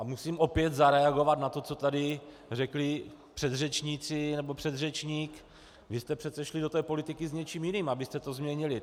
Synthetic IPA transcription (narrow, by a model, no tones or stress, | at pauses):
ʔamusiːmʔo̞pjɛt̪zaɾɛaɡo̞vat̪nat̪o̞t͡so̞t̪adɪ | rɛklɪpr̥ɛd̪rɛt͡ʃɲit͡sɪnɛbo̞pr̥ɛd̪rɛt͡ʃɲiːk | vɪst̪ɛpr̥ɛt̪t͡sɛʃlɪdo̞t̪ɛːpo̞lɪt̪ɪkɪzɲɛt͡ʃiːmjɪniːmabɪst̪ɛt̪o̞zmɲɛɲɪlɪ